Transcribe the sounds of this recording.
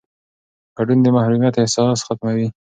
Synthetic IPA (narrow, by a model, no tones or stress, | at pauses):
ɡ̥aɖund̪əmahɾumjat̪ɪhsɑsxat̪mawi